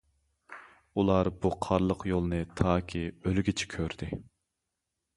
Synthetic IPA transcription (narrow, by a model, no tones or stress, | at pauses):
ulˠɑɾb̥uqʰɑɾlˠəqjolˠnɨt̪ʰɑːkʲʰiølɡʲit͡ʃʰɛ̥kʲʰøɾd̪̥ɪ